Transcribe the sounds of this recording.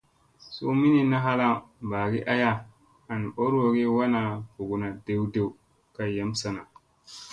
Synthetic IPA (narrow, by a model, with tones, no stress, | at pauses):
so˦mi˦ni˦na˦ɦa˦la˦˨ba˨ɡi˦ʔa˦ja˦ | a˨n˨o˦ɾo˨ɡe˦wa˦na˨fu˨ɡu˨na˨de˦wde˦u˨ | ka˨ja˦msa˦na˨